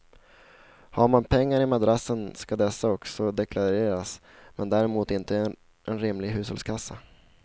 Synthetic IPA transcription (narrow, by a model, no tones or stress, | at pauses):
haɾmanpʰɛŋːaɾɪmad̪ɾasːənskad̪ɛsːaɔksɔd̪ɛkʰlaɾeːɾas | mɛnd̪æːɾɛmuːt̪ɪnt̪ə | ʔɛnɾɪmlɪɡɦʉ̟ːshɔlskʰasːa